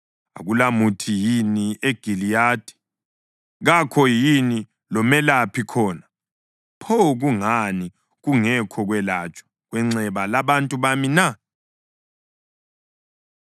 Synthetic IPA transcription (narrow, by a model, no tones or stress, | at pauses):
a̰ɣulamutʰijinieɡ̥ʱilijaːd̥ʱi̥ | ɣakʰɔjini | lɔmɛlapʰikʰɔːna | pʰɔɣuŋani | ɣuŋɛkʰɔɣwɛlat͡ʃʼɔ̥ | ɣwɛŋ͡ǀɛβalaβantʼuβamina